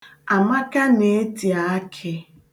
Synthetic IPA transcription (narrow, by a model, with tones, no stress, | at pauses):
a˨ma˦ka˦ne˨e˦ti˨a˨˦kʰɪ˨